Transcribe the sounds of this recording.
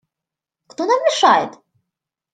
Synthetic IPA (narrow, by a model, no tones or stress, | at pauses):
kt̪onammʲɪʂajɪt̪